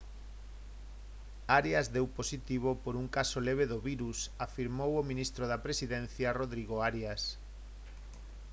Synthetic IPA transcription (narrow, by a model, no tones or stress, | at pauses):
aɾjazðewposit̪iβ̞opoɾuŋkasoleβ̞eðoβiɾusafiɾmowomĩnist̪ɾoðapɾesiðen̟θjaroðɾiɣoaɾjas